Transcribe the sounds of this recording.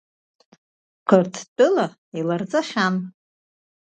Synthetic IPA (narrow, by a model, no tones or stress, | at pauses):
qʰɨrtʰtʼɨla | ilard͡zʼaʃʲan